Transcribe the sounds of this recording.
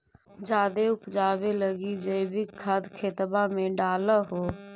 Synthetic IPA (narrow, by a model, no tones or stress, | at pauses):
d͡ʒaːd̪eupd͡ʒaːbeləɡid͡ʒəɪbikʰəd̪kʰeːt̪bamẽɖaːləɦo